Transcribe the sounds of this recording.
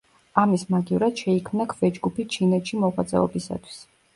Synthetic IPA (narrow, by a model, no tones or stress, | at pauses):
amismaɡivɾad̪̥ʃɛikʰmnakʰvɛd͡ʒɡupʰit͡ʃʰinɛt̪ʃimɔʁa̰t̪zʼɛ̰ɔ̰bisa̰t̪ʰwi̥s